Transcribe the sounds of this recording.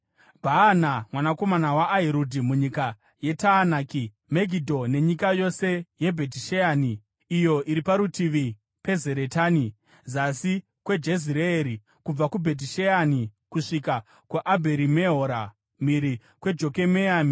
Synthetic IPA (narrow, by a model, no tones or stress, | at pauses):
bʱaːnamwanako̞manawaʔaɦeɾodʱimuɲika | je̞taːnaːki | meɡʱidʱo̞ne̞ɲikajo̞se̞je̞bʱe̞t̬iʃeaːni | ijo̞ʔiɾipaɾutiʋi | pe̞ze̞ɾetaːni | zasi | kwe̞d͡ʒe̞ziɾeeɾi | kub͡vakubʱe̞t̬iʃeanikuʂika | kuʔabʱe̞ɾimeɦoɾa | miɾi | kwe̞d͡ʒo̞ke̞meaːmi